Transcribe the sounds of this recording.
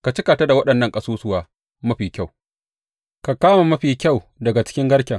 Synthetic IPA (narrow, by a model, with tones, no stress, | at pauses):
ka˨t͡ʃɪ˦ka˨ta˦da˨wɐ˦ɗɐ˨nːɐ˦˨ŋkʼɐ˦suː˦sʊ˦waː˨ | mɐ˦ɸiː˨kʲa˦˨w | ka˨kaː˦ma˨mɐ˦ɸiː˨kʲa˦˨w | dɐ˨ɡa˨t͡ʃɪ̥˦kʲɪ˦ŋɡɐ˦ɽkʲɐ˨ŋ